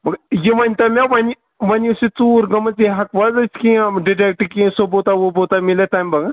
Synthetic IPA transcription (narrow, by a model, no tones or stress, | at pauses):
mɐkjiʋɐnʲt̪ɐmʲaʋɐni | ʋɐnisit͡suːɾɡɐmət͡siɦɐkʋazɐsʲkiɖiʈek̚ʈkĩːsobot̪aʋobot̪amilet̪amʲbɐɡa